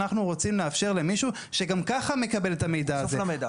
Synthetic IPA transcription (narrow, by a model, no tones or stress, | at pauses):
naχnuʁot͡simleafʃe̞ʁle̞miʃu | ʃe̞ɡamkaχame̞kabe̞letame̞jd̪aːfelamejda